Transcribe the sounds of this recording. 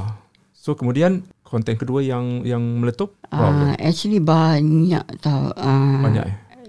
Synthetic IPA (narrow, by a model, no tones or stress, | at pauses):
sokəmudiankʰɔnt̪ɛnkəduəjaŋjaŋmələt̪ʊp̚ʔaaɛ̰k̚t͡ʃəlibaɲa̰ʔt̪awabaɲa̰ʔjə